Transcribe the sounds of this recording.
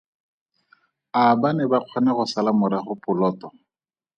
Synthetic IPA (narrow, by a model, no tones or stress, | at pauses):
abanɛbaq͡χʰɔnaχʊsalamʊɾaχʊpʊlɔːtɔ